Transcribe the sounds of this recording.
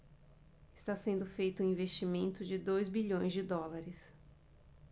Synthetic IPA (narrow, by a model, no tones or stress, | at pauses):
ɪst̪asẽnd̪ʊfejt̪ʊ̃ĩvest͡ʃimẽnt̪ʊd͡ʒɪd̪ojzbiʎõj̃zd͡ʒɪd̪ɔlaɾɪs